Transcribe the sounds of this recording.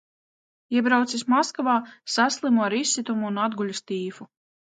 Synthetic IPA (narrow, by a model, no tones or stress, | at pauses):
iɛbɾawt̪sismɔskvaːsaslˠimuaɾisːit̪umuunad̪ɡulʲust̪iːfu